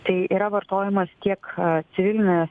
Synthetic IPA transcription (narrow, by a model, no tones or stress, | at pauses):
t̪ɐɪiːɾɐʋɐɾt̪oːjɪmɐst̪ʲiɛkt̪sʲɪʋʲɪlʲɪnʲɛ